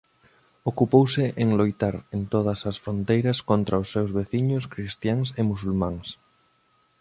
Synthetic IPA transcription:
okupowsɪʔeŋlojt̪aɾent̪oð̞ɐsɐsfɾont̪ejɾɐskont̪ɾɐʊsːewzβeθiɲʊskɾist̪jaŋsemusulmãŋs

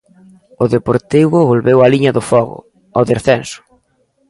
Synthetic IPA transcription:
ʊðepoɾt̪iβʊβolβewaliɲɐðʊfɔɣʊ̰ | ɔðeɾθɛnsʊ̥

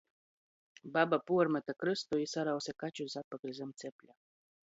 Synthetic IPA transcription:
babapuəɾmɛt̪əkɾɨst̪oisaɾaosekat͡ɕuzapəkɾizəmt̪t͡s̪eplʲa

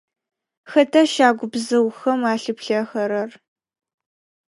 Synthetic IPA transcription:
xɐtʰɐʃaːɡʷʊbzɐwxɐmaːɬɨpɬɐxɐɾɐr

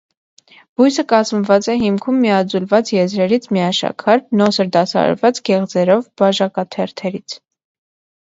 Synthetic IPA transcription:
b̥ujsəkɑzməvɑt͡sɛɦimkʰumːiɑd͡zulvɑt͡sjɛzɾɛɾit͡sʰmiɑʃɑ̰kʰɑɾnɔsəɾd̪ɑsɑ̰ɾvɑt͡sɡɛʁd͡zɛɾɔvbɑʒɑkɑt̪ʰɛɾt̪ʰɛɾit͡sʰ

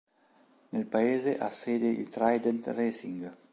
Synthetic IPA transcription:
nelpaeːzeʔa̰seːd̪eḭlt̪ɾajd̪ent̪resiŋɡ

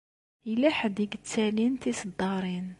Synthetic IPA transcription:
ilæħad̪iɡt͡sːælint̪isd̪ːɑɾˤin

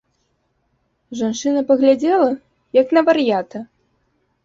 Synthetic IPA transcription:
ʐant͡ʂɨnɐpɐɣlʲad͡zʲɛlˠɐ | jɐknɐvɐɾjat̪ɐ

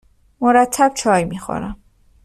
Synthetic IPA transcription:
moɾæt̪ʰːæb̥̚t͡ʃʰɒːjmixo̰ɾæm

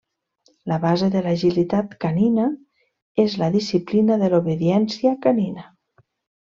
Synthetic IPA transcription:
laβazeðelaʒilit̪at̪kanina | ezlaðisiplinaðeloβeðjɛnsjakanina

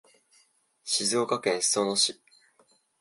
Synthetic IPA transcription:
ɕizo̞ːkakẽ̞ɰ̃ssonoɕi

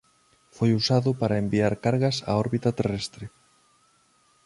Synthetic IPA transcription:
fojusaðʊpaɾɐembiaɾkaɾɣɐsa̰ɔɾβit̪ɐt̪erɛst̪ɾɪ

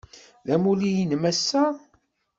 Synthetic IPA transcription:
ðæmulijinmæsːæ

